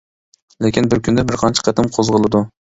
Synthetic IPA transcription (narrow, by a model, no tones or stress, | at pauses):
lekʲinbɪɾkʲʰynd̪ɛbɪɾqʰɑnt͡ʃʰɪ̥qʰæt̪ɪmqʰozʁəlˠɨd̪u